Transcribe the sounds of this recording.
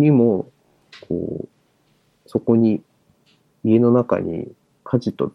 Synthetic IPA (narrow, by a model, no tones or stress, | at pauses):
ɲimo̞ | kʰo̰ː | so̞ko̞ɲ̟i | ie̞no̞naka̰ɲ̟ḭ | kʰaʑit̪o̞̰